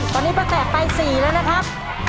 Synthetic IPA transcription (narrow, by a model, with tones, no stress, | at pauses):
t̪ʰɔː˧˩niː˦˥bɔː˧˩sɛː˨˩k̚pa˧jsiː˨˩lɛː˦˥wna˦˥kʰɾa˦˥p̚